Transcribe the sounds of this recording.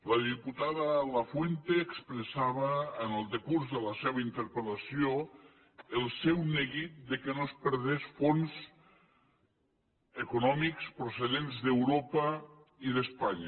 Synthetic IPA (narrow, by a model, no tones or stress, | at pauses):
ləðiput̪aðələfwent̪eːkspɾəsaβ̞əːnəlˠd̪ekuɾzðələseβaint̪əɾpəlɐsijo | əlˠsɛwneɣit̪̚d̪ekenospəɾðesfonz | ekunɔmikspɾouseðenzðewɾopə | iðəspaɲɐ